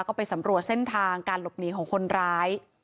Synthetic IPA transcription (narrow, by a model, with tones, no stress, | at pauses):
wkɔː˥˩pa˧jsa˩˦mɾu˨˩ət̪̚se˥˩nt̪ʰaː˧ŋkaː˧nlo˨˩p̚niː˨˩˦kʰɔː˩˦ŋkʰo˧nɾaː˦˥j